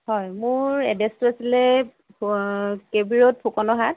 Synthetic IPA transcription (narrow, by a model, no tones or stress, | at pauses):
hɔjmʊɹɹɛdɛstuasilɛ | kebiɹɔt̚pʰokɔnɔɦat̚